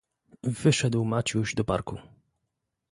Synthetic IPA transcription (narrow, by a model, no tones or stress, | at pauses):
vɘʂɛd̪wmat͡ɕuʑd̪ɔpaɾku